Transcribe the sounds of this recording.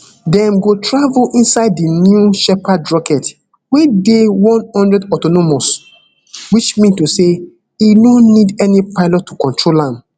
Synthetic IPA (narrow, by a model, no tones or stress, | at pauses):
dɛ̃mɡotʰɹavulʔĩnsaɪdːinjuʃɛpadɹɔkɛt | wedewɔ̃nhɔ̃ndɹɛdɔtɔnomos | wit͡ʃmĩntuse | inõnːidɛnipaɪlɔtʰːukɔ̃ntɹolãm